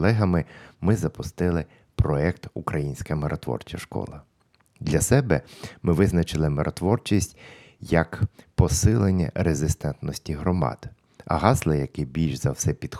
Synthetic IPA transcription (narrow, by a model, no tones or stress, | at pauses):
lˠɛɦɐmɪmɪzɐpʊst̪ɪlˠɪ | pɾɔɛkt̪ukɾɐjinʲsʲkɐmeɾʔɔt̪ʋɔ̰rt͡ʃɐʃkɔ̰lˠɐ | d̪lʲɐsɛbɛmɪʋɪznɐt͡ʃɪlˠɪmeɾʔɔt̪ʋɔrt͡ʃisʲtʲ | jɐkpɔsɪlˠenʲːɐ̰ɾezɪst̪ɛnt̪nɔsʲtʲiɦɾɔmɑ̰d̪̥ | ɐ̰ɦɑzlˠɐjɐkɪbʲilʲʃzɐwsɛpʲid̪̥x